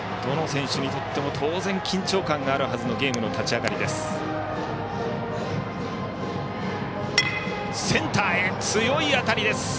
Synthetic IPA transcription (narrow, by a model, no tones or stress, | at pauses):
d̪̥o̞no̞sẽ̞ɰ̃ɕɨɲ̟it̪o̞t̪ːe̞mo̞t̪ʰo̞ːzẽ̞ŋkʲĩɲ̟t͡ɕo̞ːkãŋɡaːɾɯ̟ɦazɨno̞ɡʲe̞ːmɯ̟no̞t̪at͡ɕiaɡaɾʲid̪e̞sɨ̥ | sẽ̞nt̪aːet͡sɨjo̞iat̪aɾʲid̪e̞sɨ̥